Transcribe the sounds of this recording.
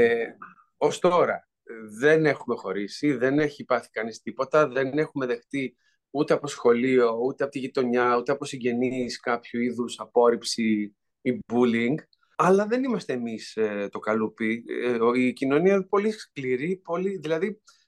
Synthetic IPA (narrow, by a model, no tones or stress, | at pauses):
o̞st̪o̞ɾɐ | ðe̞ne̞xume̞xo̞ɾisiðe̞ne̞çiːpɐθi̥kɐnist̪ipo̞t̪ɐðe̞ne̞xume̞ðe̞xt̪i | ut̪eɐpo̞sxo̞lio̞ut̪eɐpot̪iʝit̪o̞ɲɐut̪e̞ɐpo̞siɲɟe̞niskɐpçuiðusɐpo̞ɾipsiː | buliŋɡ | ɐlɐðe̞nimɐst̪e̞ːmist̪o̞kɐlupi | icino̞niɐpo̞lisskliɾipo̞liðilɐði